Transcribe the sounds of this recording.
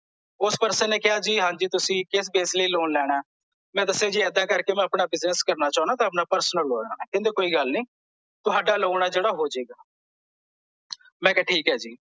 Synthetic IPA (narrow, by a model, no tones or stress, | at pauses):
ʊspəɾsənːeːkɪaːd͡ʒiːɦãːɲd͡ʒiːt̪ʊsĩːkɪsbeːsləiːloːnlɛːɽ̃aː | mɛ̃ːt̪əseːd͡ʒiːɛːd̪aːkəɾkeːmɛ̃ːəpɳaːbɪzəskəɾnaːt͡ʃaːʊ̃nãːt̪ãːəp̬naːpəɾsənəlːoːa̰ːaːkɛ̃nd̪eːkoːiːɡəlniː | t̪ʊɦaːɖaːloːɽ̃aːd͡ʒeːɽaːɦoːd͡ʒeːɡaː | mɛ̃ːkɛʈʰiːkɦɛːd͡ʒiː